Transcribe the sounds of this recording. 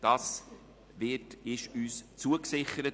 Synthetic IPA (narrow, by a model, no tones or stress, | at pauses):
d̥ɑːs | vɪtɪʃyːst͡suəksɪχəɾət